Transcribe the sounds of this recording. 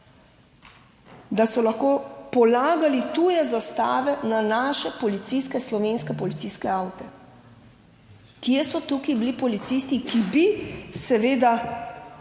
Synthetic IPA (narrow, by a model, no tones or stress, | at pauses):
d̪asɔlaxkoːpɔlaːɡalit̪uːjɛzast̪a̰ːʋɛnanaːʃɛpɔlit̪siskɛslɔʋeːnskɛpɔlit̪siːskɛawt̪ɛ | kjɛsɔt̪ukibilipɔlit̪sist̪ikibisɛʋeːd̪a